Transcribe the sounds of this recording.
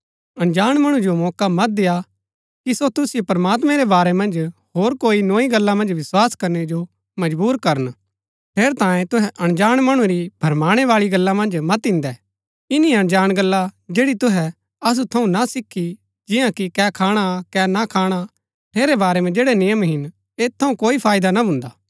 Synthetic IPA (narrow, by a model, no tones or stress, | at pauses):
ɐ̃ɽ̃d͡ʒaːɽ̃mɐɽ̃ũd͡ʒomɔːkamɐt̪̚d̪ɪja | kisot̪ʊsɪjopɾɐmaːt̪mɛ̃ɾɛbaːɾɛmɐ̃nd͡ʒɦoːɾkoːinoːiɡɐlːamɐ̃nd͡ʒʋɪswaːskɐɾnɛd͡ʒo | mɐd͡ʒbuːɾkɐɾən | ʈʰeːɾt̪ãːjẽt̪ʊɦɛʔɐɽ̃d͡ʒaːɽ̃mɐɽ̃ũɾib̥ʱɐɾmaːɽ̃ɛʋaːɭiɡɐlːamɐ̃nd͡ʒmɐt̪ɪ̃nd̪ɛ | ɪniɐɽ̃d͡ʒaːɽ̃ɡɐlːad͡ʒeːɽit̪ʊɦɛ | ɐs̬ut̪ʰɐũnasɪkʰːi | d͡ʒɪjãkikɛːkʰaːɽ̃akɛːnakʰaːɽ̃a | ʈʰeːɾebaːɾɛmɛ̃d͡ʒeːɽɛnɪjəmɦɪn | eːt̪ʰːɐũkoːipʰaːjd̪anabʱʊ̃ːnd̪aː